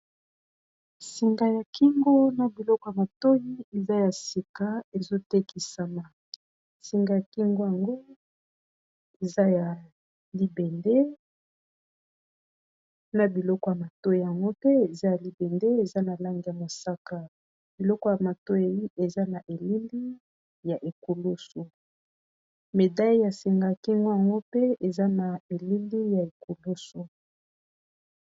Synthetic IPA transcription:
si˨ŋɡa˨ja˨ki˦ŋɡo˦na˨bi˨lɔ˦kɔ˨ja˨ma˨to˦ji˦e˨za˦ja˨si˨ka˨e˨zo˦te˦ki˨sa˨na˨ | si˨ŋɡa˨ja˨ki˦ŋɡo˦ja˨ŋɡo˦ | e˨za˦ja˨ | li˦be˨nde˦ | na˨bi˨lɔ˦kɔ˨ja˨ma˨to˦ji˨ja˨ŋɡo˦pe˦e˨za˦ja˨li˨be˨nde˦e˨za˦na˨la˦ŋɡi˨ja˨mo˨sa˦ka˦ | b̥i˨lɔ˦kɔ˦ja˨ma˨to˦e˨ji˦ʔe˨za˦na˨ʔe˨li˦li˦ | ja˨ʔe˨ko˨lo˦so˨ | me˨da˦i˦ja˨se˨ŋɡa˨ki˦ŋɡo˦ja˨ŋɡo˦pe˦e˨za˦na˨e˨li˦li˦ja˨e˨ko˨lo˦so˨

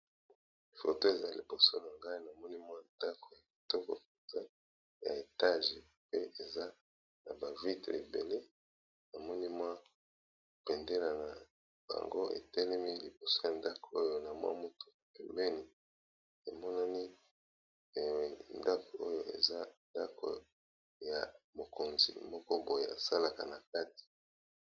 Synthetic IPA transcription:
fo̰˨to˦e˨za˦li˨bo˨so˦na˨ŋɡa˦i˦na˨mɔ˦ni˦mwa˦nda˦ko˨ja˨ki˨tɔ˦ko̰˨ke˨nza˦ | ja̰˨e˨ta˦ʒe˨ | pe˦ʔe˨za˦ | na˨ba˨vi˦te˨bḛ˨le˦ | na˨mɔ˦ni˦mwa˦˨ | pɛ˨nde˦la˨na˨ | ba̰˨ŋɡo˦ḛ˨tɛ˦lɛ˦mi˦li˨po˨so˦ja˨nda˦ko̥˨o˦jo˦na˨mwa̰˦mo˦to̥˨pɛ˨mbɛ˦ni˨ | e˨mɔ˦na˦ni˦ | e˨we˨nda˦ko˨o˦jo˦ʔḛ˨za˦nda˦ko̰˨ | ja˨mo˨ko˨nzḭ˨mɔ˦kɔ˦bo˨je˨a̰˨sa˦la˨ka˨na˨ka˦ti̥˨

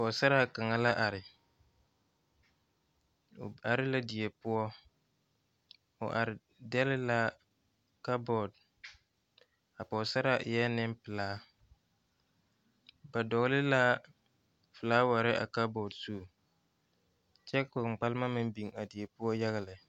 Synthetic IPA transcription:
pɔ˨sa˦ɾa˦ka˨ŋa˨la˦ʔa˨ɾɪ˨ | a˨ɾɪ˦la˦di˨e˨pʊ˦ɔ˦ | ʊ̰˨ʔa˨ɾɪ˨ | dɛ˦lɪ˦la˦ | ka˦bɔ˨d̚ | a˨pɔ˨sa˦ɾa˦˨ʔjɛ˦nɪ˦mpɨ˨laː˦ | ba˨dɔ˨ɣlɪ˦la˦ | fɨ˨laː˦wa˨ɾɪ˦ʔa̰˨ka˦bɔ˨dsu˦˨ | t͡ʃɛ˦kʊ˨k͡pa˦lɪ˦ma˦mɪ˦m˦bi˨ŋa˨di˨e˨pʊ˦ɔ˦ja˦ɣa˨lɪ˨

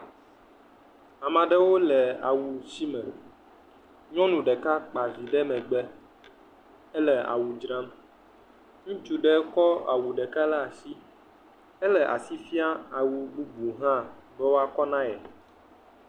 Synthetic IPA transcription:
a˨mã˨ɖɛ˦wo˦lɛ˨a̰˨wu˨si˦mɛ̃˨ | ɲɔ̃˦nũ˨ɖɛ˨ka˦k͡pa˨vi˨ɖɛ˦mɛ̃˨ɡ͡bɛ˦ | ɛ˦lɛ˨a̰˨wu˨d͡ʒɾã˦m | ŋũ˦t͡ʃu˦ɖɛ˦kɔ˦a̰˨wu˨ɖɛ˨ka˦la˦a˨si˦ | ɛ˦lɛ˨ʔa̰˨si˦fi˦a˦a˨wu˨ɡ͡bu˦bu˨ɦã˦˨bɛ˦wo˦a˦kɔ˦nã˦jɛ˨

